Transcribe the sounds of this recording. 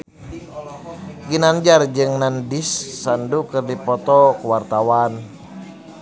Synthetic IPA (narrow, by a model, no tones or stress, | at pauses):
ɡinand͡ʒard͡ʒɨŋnandisːandukɨrdipɔt̪ɔkuwart̪awan